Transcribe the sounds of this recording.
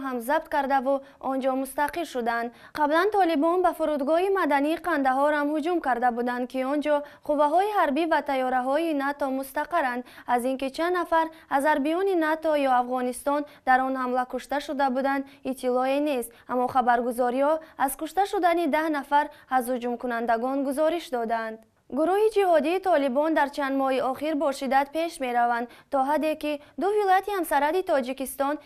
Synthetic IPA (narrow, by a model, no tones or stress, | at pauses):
ɦamzab̚t̪kaɾd̪avu | ɔnd͡ʒɔmust̪aqilʃud̪and̪ | qʰablant̪ʰɔlibɔnbafuɾud̪ɡɔhimad̪aniːqand̪aɦɔɾhamhud͡ʒumkaɾd̪abud̪and̪̚kiɔnd͡ʒɔquvaɦɔiɦaɾbivat̪ʰajɔɾaɦɔinat̪ɔmust̪aqaɾand̪aziŋkit͡ʃʰanːafaɾazaɾbijɔninat̪ɔjɔafʁɔnist̪ɔnd̪aɾɔnhamlakuʃt̪aʃud̪abud̪and̪ | it̪ʰːilɔene̞st̪amːɔχabaɾɡuzɔɾihɔazkuʃt̪aʃud̪anid̪ahnafaɾhazud͡ʒumkunand̪aɡɔnɡuzɔɾiʃd̪ɔd̪and̪ | ɡuɾuhid͡ʒihɔd̪iːt̪ʰɔlibɔnd̪aɾt͡ʃʰand̪mɔhiɔχiɾbɔʃid̪ad̪pʰe̞ʃme̞ɾavand̪t̪ɔɦad̪e̞kid̪uvilɔjat̪ihamsaɾad̪it̪ʰɔd͡ʒikist̪ɔn